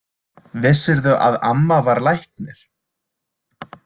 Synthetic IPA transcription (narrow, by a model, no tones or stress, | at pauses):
vɪsːɪɾðʏʔa̰ðamːavaɾlajhknɪɾ̥